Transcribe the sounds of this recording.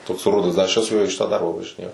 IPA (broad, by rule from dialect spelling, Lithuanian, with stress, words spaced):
toːks ˈrʊdɐs dɐ ɐʃ ˈt͡ʃʲɛ sʊ juɔ iː ˈʃʲɪtɑː ˈdɐrbɐ ʋɐʒʲɪˈnʲeːjɛʊ